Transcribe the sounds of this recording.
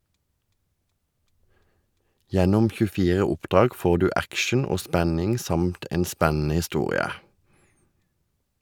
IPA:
ˈjɛnʊm çʉˈfiːʁə ˈʊpˌdʁɑːɡ ˈfoː ˈdʉː ˈækʃn̩ ˈoː ˈspænɪŋ ˈsɑmt ˈeːn ˈspænn̩ə hɪˈstuːʁɪə

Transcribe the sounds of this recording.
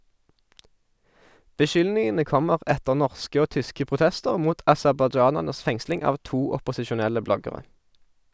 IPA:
bəˈʃʏlnɪŋənə ˈkɔməʁ ˈɛtəʁ ˈnɔʁskə ˈoː ˈtʏskə pʁʊˈtɛstəʁ ˈmuːt ɑsɛʁbɑˈd͡ʒɑːnæʁnəs ˈfɛŋslɪŋ ˈɑːʋ ˈtuː ɔpɔsɪʃʊˈnɛlə ˈblɔɡəʁɛ

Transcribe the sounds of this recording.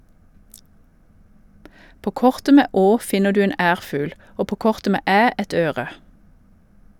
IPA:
ˈpoː ˈkɔʁtə ˈmeː ˈoː ˈfɪnə ˈdʉː ˈeːn ˈæːʁfʉːl ˈoː ˈpoː ˈkɔʁtə ˈmeː ˈæː ˈɛt ˈøːʁə

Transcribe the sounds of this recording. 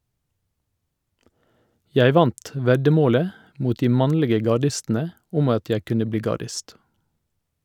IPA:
ˈjæɪ ˈʋɑnt ˈʋɛdəˌmoːlə ˈmuːt ˈdiː ˈmɑnlɪɡə ɡɑˈɖɪstn̩ə ˈʊm ˈɑt ˈjæ ˈkʉnə ˈbliː ɡɑˈɖɪst

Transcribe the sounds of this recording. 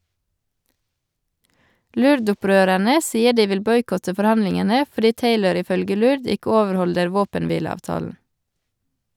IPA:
ˈlʉɾdʊˌpɾøːɾæɳə ˈsiːə ˈɖiː ˈʋɪl ˈbɔʏkɔtə fɔɾˈhɑnlɪŋənə fɔˈɖiː ˈteɪləɾ ɪˈfœlɡə ˈlʉɾd ˈɪkə ˈoːʋəɾˌhɔldəɾ ˈʋoːpənˌʋiːləɑːʋˌtɑːln̩

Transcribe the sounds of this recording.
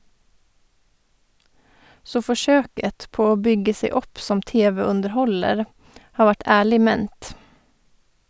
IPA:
ˈsoː fɔˈʃøːkət ˈpoː ˈoː ˈbʏɡə ˈseɪ ˈɔp ˈsɔm ˈteːʋəʉndəɾˌhɔləɾ ˈhɑː ˈʋæʈ ˈæːɭɪ ˈmɛnt

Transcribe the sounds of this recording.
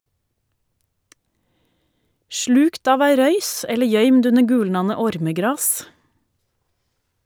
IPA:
ˈʃɭʉːkt ˈɑːʋ ˈæɪ ˈɾœʏs ˈɛlə ˈjœʏmd ˈʉnə ˈɡʉːlnɑnə ˈɔɾməˌɡɾɑːs

